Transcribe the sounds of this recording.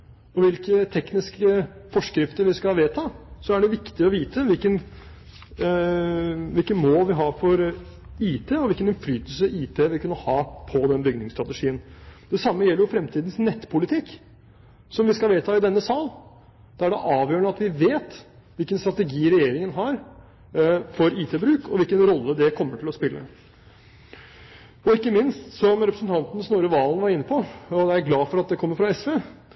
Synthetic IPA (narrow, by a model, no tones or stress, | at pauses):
ɔʋɪlkət̪ʰɛknɪskəfɔʂkɾɪft̪əɾʋɪskɑʋeːt̪ʰɑːsɔæɖɛʋɪkt̪ɪɔʋiːt̪əʋɪlkən | ʋɪlkənmoːlʋɪɦɑːfɔɾ | iːt̪ʰeːɔʋɪlkənɪnflyːt̪əlsəiːt̪ʰeːʋɪlkʉnːəhɑːpʰɔd̪ɛnbʏɡ̚nɪŋst̪ɾɑt̪əʂiːənd̪̥ɛsɑmːəjɛlːəɾjʊfɾɛmt̪ʰiːd̪n̩snɛt̪ːpʰʊlɪt̪ʰɪkː | sɔmʋɪskɑlʋeːt̪ʰɑːɪd̪ɛnːəsɑːl | d̪̥ɛæɖɛʔɑːʋjøːəɳəɑt̪ʋɪʋeːt̪ | ʋɪlkənst̪ɾɑt̪ɛɡiːɾɛjeːɾɪŋənɦɑɾ | fɔɾiːt̪ʰeːbɾʉːkʰɔʋɪlkənɾɔlːəd̪ɛkʰɔmːəʈʰɪlɔspɪlːə̰ | ɔɪkːəmɪnst̪sɔmɾɛpɾəsənt̪ʰɑnt̪nəsnoːɾəʋɑːln̩ʋɑɾɪnːəpʰɔɔd̪ɛæɾɡlɑːfɔɾɑt̪̚d̪ɛkʰɔmːəɾfɾɑɛsʋeː